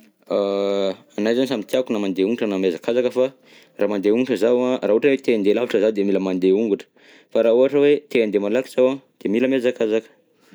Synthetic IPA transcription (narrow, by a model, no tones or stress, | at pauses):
aanajzanisamint̪iakunamand̪euŋɡuʈ͡ʂənamezakazakəfa | raːmand̪euŋɡuʈ͡ʂəzawãrauaʈ͡ʂənwet̪eand̪elaviʈ͡ʂəzawd̪emiləmand̪euŋɡuʈ͡ʂə̥ | faɾauaʈ͡ʂəwet̪eand̪emalaki̥z̥awad̪̥emiləmezakazakə̥